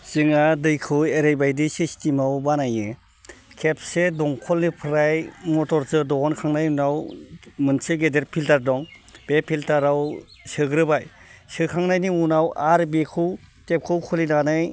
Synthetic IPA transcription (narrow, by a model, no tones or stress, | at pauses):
z̥ɯŋadɯjkʰɯweɾajbajdisistimawbanajɯ | kʰep̚sedɔŋkʰɔlnipʰɾajmɔtɔɾzɯdɔɦɔnkʰaŋnajunawmɯnsɯɡedeɾpʰiltaɾdɔŋb̥epʰiltaɾaw | sɯɡɾɯbaj | sɯkʰaŋnajniunawaɾbekʰɯw | tep̚kʰɯwkʰulinanɯj